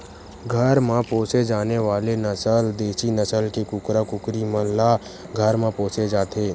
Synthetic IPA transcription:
ɡʱəɾmãpõːt͡ʃed͡ʒaːneʋaːlenət͡ʃəld̪eːʃinət͡ʃəlkekʊkɾakʊkɾiməlla | ɡʱəɾmãpõːt͡ʃed͡ʒaːt̪ʰeː

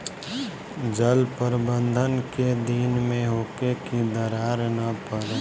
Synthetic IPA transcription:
d͡ʒəlpəɾbə̃nd̪ʱənked̪inmẽɦoːkekid̪əɾaːɾnəpəɾe

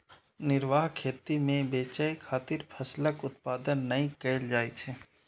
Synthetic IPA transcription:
nɪɾʋaːɦkʰeːt̪imẽbeːt͡ʃəekʰaːt̪ɪɾpʰəsləkʊt̪̚paːd̪ənːɐĩkɛːld͡ʒaːit͡ʃʰɛː

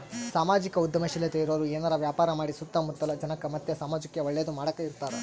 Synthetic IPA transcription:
saːmaːd͡ʒikɐud̪jɐmɐʃilet̪eiɾoːɾueːnɐɾɐʋjaːpaːɾɐmaːɽisut̪ːɐmud̪ːɐlɐd͡ʒɐnɐkːɐmɐt̪jɐsaːmɐd͡ʒɐkjɐʋɐɭːɛjɐd̪umaːɽɐkːeiɾt̪aːɾe

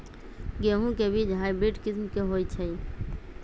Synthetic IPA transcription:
ɡeɦũkebid͡ʒɦajbɾiʈkismkeɦojt͡ʃʰəi

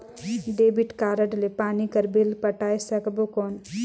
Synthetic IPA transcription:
ɖeːbiʈkaːɾəʈlepaːnikɐɾbelpɐʈaːesɐkbokɔːn

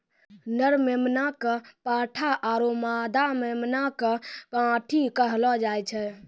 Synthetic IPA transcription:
nəɾmemnakəpaʈʰaʔaɾomad̪amemnakəpãʈʰikəɦlɔd͡ʒajt͡ʃʰɛ

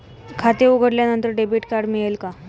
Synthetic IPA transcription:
kʰat̪euɡʱəɽljanənt̪əɾɖebiʈkaɾɖmiɭelka

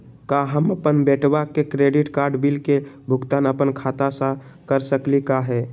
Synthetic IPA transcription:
kaɦəməpənbɛʈwakekɾeɖiʈkaɾɖbilke | bʱʊɡt̪anəpənkʰat̪asə̃ | kəɾsəklikaɦɛ

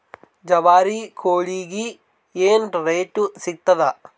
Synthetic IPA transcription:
d͡ʒɐʋaːɾikʰoːɭiɡi | eːnɖɾeːʈːusik̚t̪ːɐðɐ

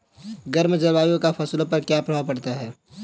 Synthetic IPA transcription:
ɡəɾmd͡ʒɐɾwaːjõkafʰɐslopɐɾkjapɾ̤aːpɐɽt̪aɦɛː

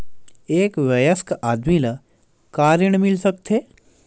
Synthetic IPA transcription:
eːkʋɐjəskʔaːd̪milɐ | kaːɾəɳ̃mɪlsək̚t̪ʰeː

